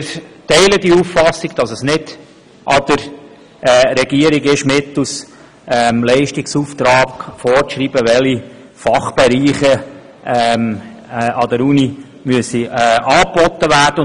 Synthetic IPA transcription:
ɾtɛɪləd̥̪iufːɑsːiɡd̥ɑsəsnɪd̥ | ʔɑ̰d̪̥əɾ | ɾɛɡiəɾiɡɪʃmɪt̪us | ɛmlɛɪʃtiksuːft̪ɾɑːɡfɔɾʃɾiːb̥əʋɛli | fɑχb̥ɛɾiːχə | ɛm | ɑd̥̪ɛɾuni | myəsiɑːbɔt̪ːəʋæːɾd̥ə

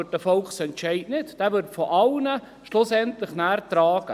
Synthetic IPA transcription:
t̚dəfɔlksɛntʃɛɪdnɪtd̥ɛːʋʏɾtfɔʔɑlnə | ʃlʊsɛntlɪχnæːɾtraːɡ̥ə

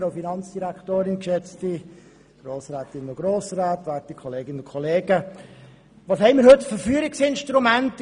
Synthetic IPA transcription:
ɾɑʊfinɑnt͡sd̥iɾæktoːɾɪnkʃɛt͡sti | ɡ̥ɾoːsɾaːt̪ɪnəoɡ̥ɾoːsɾɑːtʋæːtikʰɔleːɡɪnənʊkʰɔleːɡə | ʋɑːshɛɪmiːɾɦɵtfəɾfyːəɾɪksɪnʃtɾumænt

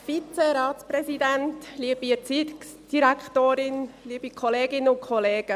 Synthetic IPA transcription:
fit͡seɾɑːtt͡spɾɛsidɛntliəbiət͡sitsd̥iɾækχtoːɾɪnliːəb̥ikʰɔleːɡɪnəʊntkʰɔleːɡ̥ə

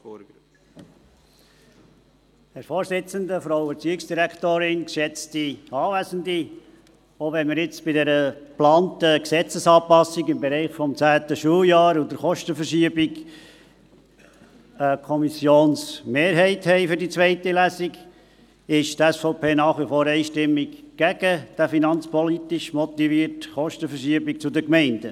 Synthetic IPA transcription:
hɛɾfoːɾsɪt͡səndəfɾaʊət͡syɪksd̥iɾækʰtoːɾɪnkʃɛt͡stiɑːvæːzəndi | ovɛnmɪɾjɪt͡sb̥ɪdɛɾəplɑːntəksɛt͡səsɑːpɑsiɡɪmbɛɾɛɪχfɔmt͡sæːtəʃuːljɑːɾudəɾχɔʃtəfəɾʃiəbiɡ | əkʰɔmisjoːnsmeːɾɦɛɪthɛɪfʏɾdit͡sʋɛɪtilæsiɡ | ɪʃtæsfɔʊpʰeːnɑːχʋifoːɾɛɪʃtɪmːiɡɡ̥æɡəd̥æfinɑnt͡spɔlit̪ɪʃmɔt̪iviəɾtχɔʃtəfəɾʃiəbik̚t͡sʊdəkmɛɪnd̥ə

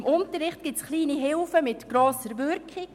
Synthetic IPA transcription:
mʔʊntəɾɾɪχt̚ɡ̥ɪt͡sχliːniɦɪlfəmɪtɡ̥ɾoːsəɾʋʏɾkχɪ

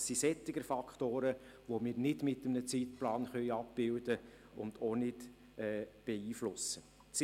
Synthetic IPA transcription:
sːisɛt̪ːɪɡəɾfɑkχtoːɾəʋomɪːɾnɪdmɪtəmnət͡sitplɑːnχœjɑp̚b̥ɪwd̥ə | ʊnd̥onɪd | ɛːb̥eiːflʊsːə | t͡s

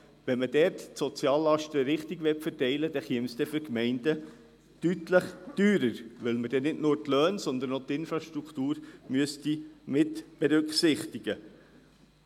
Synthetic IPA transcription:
ʋɛnməd̥ɛɾttsɔt͡sjɑːlːɑʃtəɾɪχtiɡʋɛtfəɾtɛɪləd̥ɛχiəmsd̥̪ɛfʏkmɛɪnd̥ə | tytləχd̥yːɾəɾʋɪlməd̥ɛnɪdnʊːɾtløːnsɔnd̪ənot̪ɪnfɾɑʃtɾukt̪uːɾmyəstimɪtb̥ɛɾɵkχsɪχt̪iɡ̥ə

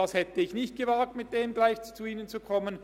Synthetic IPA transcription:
ɑshɛtəɪçnɪçt̚ɡ̥əvaːk̚tmɪt̚d̥eːmɡlaɪçt͡suiːnənt͡sukʰɔmən

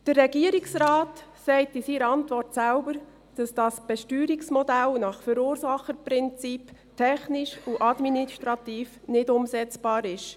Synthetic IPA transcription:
d̥ərːɛɡiəɾiksɾaːtsɛɪtɪsiːɾɑntʋɔrtsælbəɾ | d̥ɑsd̥ɑsb̥ɛʃtyːɾiksmɔdælnɑχfəɾuːɾsɑχəpɾɪnt͡sip | tʰɛχnɪʃuʔɑdminiʃtɾɑt̪iːfnɪdʊmsɛt͡sb̥ɑːɾɪʃ

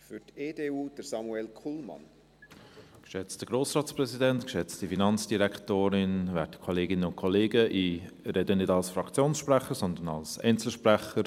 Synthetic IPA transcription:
fʏteːdeːuːd̥əɾsɑmuɛlkʰulmɑ̰n | kʃɛt͡std̥əɡ̥ɾoːsrɑːtt͡sprɛsidɛntkʃɛt͡stifinɑnt͡sd̥iɾɛktoːɾɪnvɛ̰tə̥kʰɔleːɡɪnəʊnkʰɔleːɡəʔiɾɛdənɪdɑlsfɾɑkt͡sjoːnsʃpræχəɾsɔnd̪ənɑ̰lsɛ̰ɪnt͡sl̩ʃpɾæχəɾ

